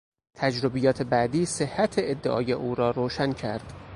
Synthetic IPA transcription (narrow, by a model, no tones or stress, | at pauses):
t̪ʰæd͡ʒɾobijɒːt̪ʰe̞bæʔd̪iːsehːæt̪ʰeed̪ːḛʔɒ̰ːje̞ʔuːɾɒːɾoːʃæncʰæ̰ɾd̪̥